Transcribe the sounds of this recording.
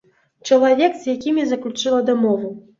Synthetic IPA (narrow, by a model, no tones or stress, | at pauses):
t͡ʂɐlˠavʲɛkzjakʲimʲjazɐklʲut͡ʂɨlˠɐd̪amɔvu